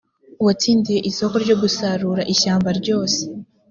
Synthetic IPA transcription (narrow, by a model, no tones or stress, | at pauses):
uwat͡siːndijeʔiso̞ko̞ɾɟo̞ɡusaɾuːɾaʔiɕaːmbaɾɟo̞ːse̥